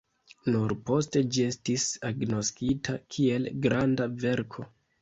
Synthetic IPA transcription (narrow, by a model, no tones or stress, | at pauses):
nuɾpo̞ste̞d͡ʒie̞stisaɡno̞skitʰakʰie̞lɡɾandave̞ɾkʰo̞